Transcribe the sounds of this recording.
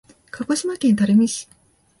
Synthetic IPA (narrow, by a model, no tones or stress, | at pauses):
kako̞ɕimakẽ̞nt̪aɾemiɕi̥